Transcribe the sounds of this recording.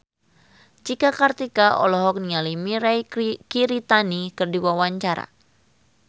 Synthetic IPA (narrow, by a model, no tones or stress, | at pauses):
d͡ʒikakart̪ikaʔɔ̰lɔɦɔk̚nialimiɾajkiɾit̪anikərdiwawaɲt͡ʃaɾa̰